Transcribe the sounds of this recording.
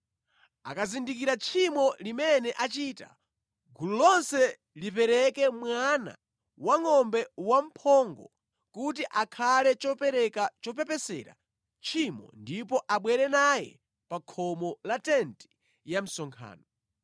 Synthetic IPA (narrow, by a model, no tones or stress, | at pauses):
a̰kazindikiɾat͡ʃʰimɔlimɛnɛʔat͡ʃiːta̰ | ɡululɔnsɛ | lip̬ɛɾɛkɛmwana̰ | waŋɔmbɛwam̩pʰɔŋɡɔ | kut̬iʔakʰalɛt͡ʃɔpɛɾɛkat͡ʃɔp̬ɛpɛsɛ̰ɾa̰ | t͡ʃʰimɔ̰ndipɔʔaɓwɛɾɛnajɛ̰ | pakʰɔmɔlatɛnti̥ | jam̩sɔŋkʰa̰ːnɔ